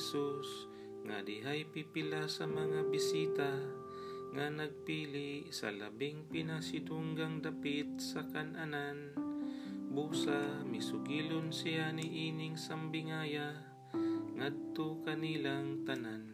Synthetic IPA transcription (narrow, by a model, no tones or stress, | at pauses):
sus | ŋa̰d̪ɪɦajpipɪlasɐmɐŋabisiːt̪a | ŋanɐɡ̚piːlɪʔsɐ̰la̰biŋpɪnasɪd̪uŋɡaŋd̪apɪt̪̚sɐkanʔanan | buːsamɪsʊɡiːlonsijaniʔiːnɪŋsambɪŋaja | ŋad̪̚t̪okɐnilaŋt̪anan